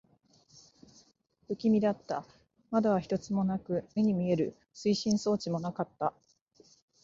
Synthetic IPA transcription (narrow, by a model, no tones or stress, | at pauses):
ɯ̟kʲimʲid̪at̪ːa | mad̪aβaçi̥t̪o̞t͡sɨmo̞nakɯ̟me̞ɲ̟imʲie̞ɾɯ̟ | sɨiɕĩɰ̃so̞ːt͡ɕimo̞nakat̪ːa